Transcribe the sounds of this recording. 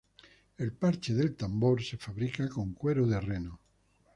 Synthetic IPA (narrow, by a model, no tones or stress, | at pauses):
elpaɾt͡ʃeðelt̪amboɾsefaβɾikakoŋkweɾoðereno